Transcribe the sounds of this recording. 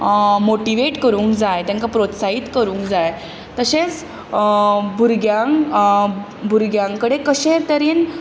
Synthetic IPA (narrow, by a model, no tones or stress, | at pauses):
moʈiʋeʈkəɾuːŋkd͡zajt̪jãŋkapɾot̪saɦit̪kəɾũːŋkd͡zaj | t̪əsẽt͡s | bʱuɾɡjaŋ | bʱuɾɡjãŋkəɽekəɕet̪əɾiːn